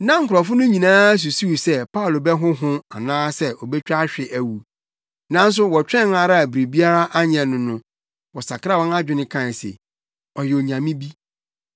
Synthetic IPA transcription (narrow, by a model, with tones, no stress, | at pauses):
nã˦ŋ̩˨kʰʊ˨ɾɔ˨fʊ˦nʊ̃˦ɲĩ˨nãː˦æ˦s̬u˨su˦˨sɛ˦pʰa˦ʊ˨lo˨bɛ˦ɦʊ̃˦ɦʊ̃˦a˨nãː˦sɛ˦ʔɔ˨bɛ˦t͡ɕᶣa˦ɕᶣɪ˨ʔæ˨wu˨ | nã˦n̩˦s̬ʊ˦wɔ˨t͡ɕᶣɛ̃˦na˨ɾa˦˨bɾi˨bi˦a˦ɾa˦ʔa˦ɲɛ˨nʊ̃˨nʊ̃˦ | wɔ˨sa˨kʰɾa˦˨wɔ̃˦na˦d͡ʑᶣɪ˨nɪ̃˦kʰã˨sɪ̰˨ | ɔ˨jɛ˨o˨ɲã˨mĩ˦bi˦